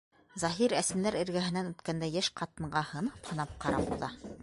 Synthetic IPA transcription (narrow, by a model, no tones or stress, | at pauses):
zɑɦiɾæsɘ̆mlæɾɘ̆ɾɡæɦɘ̆nænʉt̪kænd̪æjæʃqɑt̪ɤ̆ɴɢɑhɤ̆nɤ̥phɤ̆nɑp̚qɑɾɑ̰bṵðɑ